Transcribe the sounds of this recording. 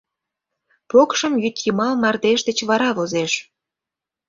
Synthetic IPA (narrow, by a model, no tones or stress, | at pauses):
pokʃə̆mjyt̪jimɑlmɑrd̪eʃd̪ə̆t͡ɕβɑɾɑβozeʃ